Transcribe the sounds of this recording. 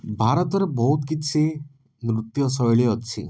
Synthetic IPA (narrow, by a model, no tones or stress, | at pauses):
bʱaɾɔt̪ɔɾebɔɦut̪kit͡ʃʰi | nɾut̪jɔsɔjɭiɔt͡ʃʰḭ